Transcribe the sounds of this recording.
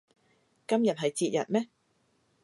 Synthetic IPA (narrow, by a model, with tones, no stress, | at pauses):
kɐ˥mjɐ˨t̚ɦɐ˨jt͡siː˧t̚jɐ̰˨t̚mɛː˥